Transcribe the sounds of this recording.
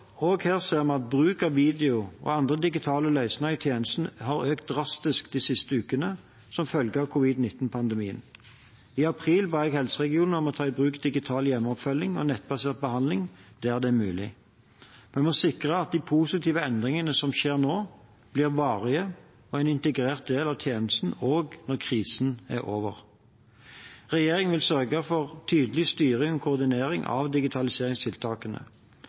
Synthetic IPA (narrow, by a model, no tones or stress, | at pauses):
oːɡheːʁseːʁmɛnɑt̪̚bʁʉːkɑʋiːd̪ɛʊɔ̰ːɑnd̪ʁəd̪ɪɡɪt̪ʰɑːləlœʏsnɑɪt̪ʰjeːnəst̪n̩hɑʁøːkt̪̚d̪ʁɑst̪ɪskd̪isɪst̪əʉːkənə | sɔmfœlɡəɑʋkʰʊʋɪd̪nɪt̪ːn̩pʰɑnd̪əmiːə̰n | ɪɑpʰʁiːlbæːʁɛɡhɛlsəʁɛɡɪuːnəɔmɔt̪ʰɑːɪbʁʉːkd̪ɪɡɪt̪ʰɑːljɛmːɔpfœlːɪŋɔ̰nɛt̪bɑseːʁt̪̚bəhɑnd̪lɪŋd̪̥ɛːæʁd̪ɛmʉːlɪ̰ | mɛnmɔsɪkʁəɑt̪̚d̪iːpʰuːsɪt̪ʰiːʋəɛnd̪ʁɪŋənəsɔmʃeːʁnoː | b̥liːʁʋɑːʁɪə | ɔæɪnɪnt̪əɡʁeːʁt̪̚d̪eːlɑʋt̪ʰjeːnəst̪n̩oːɡnɔʁkʰʁiːsn̩æ̰ʁo̰ːʋə̰ʁ | ʁɛjeːʁɪŋʋɪlsœʁɡəfɔʁt̪ʰyːd̪əlɪst̪yːʁəkʰʊːʁd̪ɪneːʁɪŋʔɑ̰ʋd̪ɪɡɪt̪ʰɑlɪseːʁɪŋst̪ʰɪlt̪ʰɑːkənə̰